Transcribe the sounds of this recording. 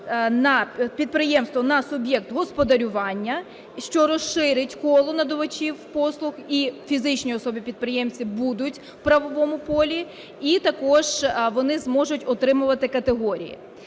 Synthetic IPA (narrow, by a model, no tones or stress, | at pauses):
nɐpʲid̪̚pɾɪjɛmst̪ʋɔnɐsʊbʲjɛkt̪ɦɔspɔd̪ɐɾʲʊʋɑnʲːɐ | ʃt͡ʃɔɾɔʃɪɾɪtʲkɔlˠʊnɐd̪ɔʋɐt͡ʃiwpɔslˠʊxifʲizɪt͡ʃnʲiɔsɔbʲipʲid̪̚pɾɪjɛmt͡sʲibud̪ʊtʲ | wpɾɐʋɔʋɔmʊpɔlʲi | it̪ɐkɔʒ̥ʋɔnɪzmɔʒʊtʲɔt̪ɾɪmʊʋɐt̪ɪkɐt̪eɦɔɾʲḭjḭ